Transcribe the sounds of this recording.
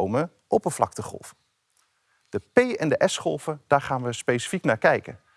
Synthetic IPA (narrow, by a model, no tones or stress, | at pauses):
wmə | ʔɔpənflɑk̚təχɔ̰lˠvə | d̥əpejɛndəʔɛsχɔlˠvəd̥aːɹχaːnʋəspejsi̥fiknaːɹkɛjkə̰